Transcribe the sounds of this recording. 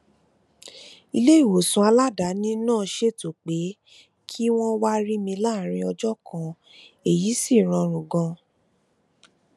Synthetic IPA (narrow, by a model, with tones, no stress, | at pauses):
i˧le˦i˦˨wo˨sũ˧a˧la˦da˨˦nĩ˦nãː˦˨˧ʃe˦to˨k͡pe˨˦ | kʰi˦w̃ɔ̃˦wa˦ɾi˦mĩ˧la˦˨ɾ̃ĩ˧ɔ˧d͡ʒɔ˦kʰã˧ | e˨ji˨˦si˦˨ɾ̃ɔ̃˧ɾ̃ũ˨ɡɔ̃˧